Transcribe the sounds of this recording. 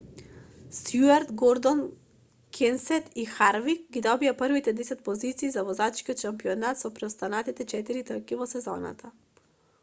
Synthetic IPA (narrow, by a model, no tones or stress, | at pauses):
sjuaɾt̪ɡɔɾd̪ɔn | kʰɛnsɛt̪ixaɾvikɡid̪ɔbiapərvit̪ɛd̪ɛsɛt̪̚pɔzit̪siːzavɔzat͡ʃkiɔt̪ʃampiɔnat̪sɔpɾɛɔst̪anat̪it̪ɛt͡ʃɛt̪iɾit̪əkivɔsɛzɔ̰na̰t̪ʰa